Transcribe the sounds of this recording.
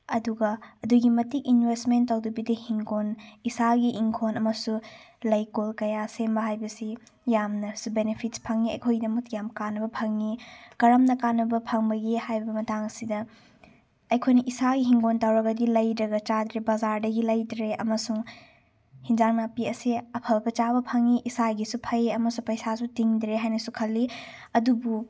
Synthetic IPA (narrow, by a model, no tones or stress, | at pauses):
ɐduɡɐɐduɡimɐtikinbestmentːawdubidihiŋɡonisaɡiʔiŋkʰonɐmɐsulɐjkolkɐjasembɐɦajbɐsi | jamnɐsubenepʰitspʰɐŋniɐ̰jkʰojdɐmɐkjamkanːɐbɐpʰɐŋnikɐɾɐmnɐkanːɐbɐpʰɐŋbɐɡihajbɐmɐtaŋɐsidɐː | jkʰojnɐʔisaɡiɦiŋɡontawɾɐɡɐdilɐjdɾɐɡɐt͡ʃad̪ɾebazaɾdɐɡilɐjdɾeʔɐmɐsuŋ | hind͡ʒaŋnapiɐsiɐpʰɐlbɐt͡ʃabɐpʰɐŋːiʔisaɡisupʰɐjɐmɐsuŋpɐjsasutiŋdɾeɦajnɐsukʰɐlːiɐdubu